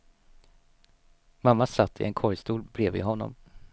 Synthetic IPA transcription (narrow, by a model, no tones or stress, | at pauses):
mamːasat̪ʰːɪ̰ʔɛnkʰɔɾjst̪uːlbɾeːvɪ̰ːɦɔnːɔ̰m